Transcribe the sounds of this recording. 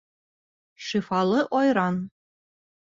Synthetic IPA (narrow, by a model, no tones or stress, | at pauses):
ʃifɑlˠɤʔojɾɑn